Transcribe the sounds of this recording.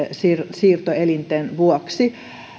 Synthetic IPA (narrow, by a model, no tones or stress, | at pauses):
sirsiːrt̪oelint̪enʋuɔksi